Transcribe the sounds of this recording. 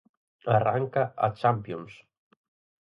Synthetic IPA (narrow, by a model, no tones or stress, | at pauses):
araŋkaʔa̰t͡ʃampions